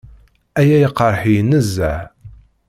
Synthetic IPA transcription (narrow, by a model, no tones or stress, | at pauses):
æjæjəqːəɾˤħijənəzːæ